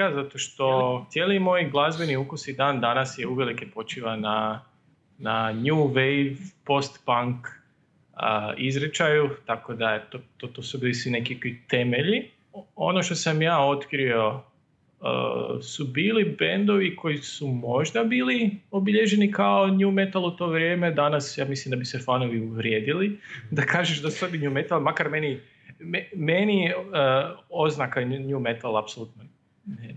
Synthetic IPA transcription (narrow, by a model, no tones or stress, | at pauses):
azat̪oʃt̪o̞t̪jeːlimo̞jɡlˠazbe̞niukusid̪aːnd̪anasjeuʋe̞likepo̞t͡ʃiʋana | naɲuʋejʋpo̞st̪paŋk | əizɾet͡ʃajut̪ako̞d̪aet̪ot̪ot̪osubiːlisʋinekikit̪e̞me̞ʎi | o̞̰noʃt̪o̞samjaːo̞t̪kɾio̞ | ə̰ːsubiːlibend̪o̞ʋiko̞isumo̞ʒd̪abiːliobiʎe̞ʒe̞nikao̞ɲume̞t̪alˠut̪o̞ːʋɾʲje̞ːme̞d̪anasjaːmislimd̪abisefanoʋiuʋɾjeːd̪ilid̪akaːʒeʃd̪asu̥sod̪iɲumet̪alˠmakaɾmeni | memeniəo̞znakaɲume̞t̪alˠapsolˠuːt̪no | ne